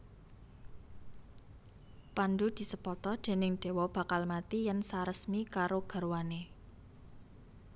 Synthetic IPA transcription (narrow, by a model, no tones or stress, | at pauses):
pandud̪̥i̤səpɔt̪ɔd̪̥e̤nɪŋd̥e̤wɔb̥ä̤kalmat̪ijansaɾəsmikaɾoɡ̥a̤ɾwane